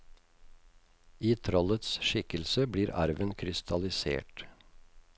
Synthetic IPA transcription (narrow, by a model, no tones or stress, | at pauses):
iːt̪ʰɾɔlət̪sʃɪkəlsəbɽiːɾʔɑ̰ɾʋənkʰɾɪst̪ʰɑlɪsḛːʈ